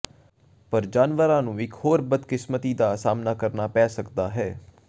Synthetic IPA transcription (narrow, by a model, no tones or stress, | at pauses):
pəɾd͡ʒaːnʋəɾãːnũːɪkhoːɾbəd̪kɪsmət̪iːd̪aːsaːmnaːkəɾnaːpɛːsəkd̪aːɦɛː